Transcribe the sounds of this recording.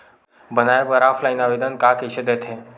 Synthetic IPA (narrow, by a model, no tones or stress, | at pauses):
bənajbəɾaːfʰlajinaʋed̪ənkakəɕəd̪et̪ʰe